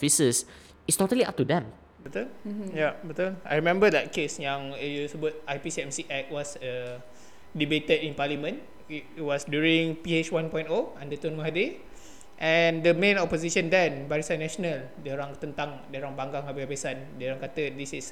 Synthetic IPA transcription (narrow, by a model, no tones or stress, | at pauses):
fisəs | itstotəlia̰p̚tudɛ̃m | bət̪uljabət̪ula̰jɹimɛ̃mbədɛt̚kesjãŋjusəbɔt̚ajpisiɛmsiʔɛk̚wɔsə | dibet̪ədĩnpalimə̃n | itwɔsdjuɹĩŋpiet͡ʃwãnpɔ̃j̃ntoãndət̪ɔ̃nwãɦadi | ʔɛ̃ndəmẽnɔpoziʃə̃ndɛ̃nbaɾisãnːɛʃonal | dəɾaŋt̪ənt̪ãŋdəɾãŋbãŋɡaŋhabiabesandəɾãŋkat̪ədisis